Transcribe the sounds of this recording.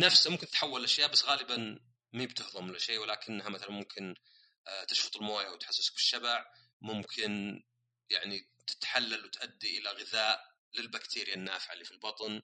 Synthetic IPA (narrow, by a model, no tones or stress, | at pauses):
nafsmʊmkɪnɪt̪ħawːalʔaʃjaːʔbasːɣaːlɪban | miːbt̪ɪhðˤʊmɪlʔaʃeːwɪlaːkɪnːhamaθalanmʊmkʰɪn | t̪ɪʃfʊ̥t̪ˤɪlmaːjawt̪ħasːɪskfiʃːabaʕ | mʊmkʰɪn | jaʕni | t̪ɪ̥t̪ħalːalwɪt̪ʔad̪ːiʔɪlaɣɪðaːʔ | lɪlbakt̪ʰiːɾɪjanːaːfɪʕa̰lifilbɑt̪ˤn